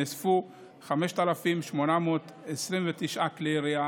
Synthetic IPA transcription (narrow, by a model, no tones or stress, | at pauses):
esfu | χameʃt̪alafimʃmonamoːt̪ | esʁimvet̪iʃʔakleʁia